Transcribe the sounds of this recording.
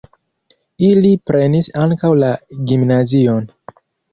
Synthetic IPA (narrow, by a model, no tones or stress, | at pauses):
ilipɾe̞nisaŋkawlaɡimnazio̞n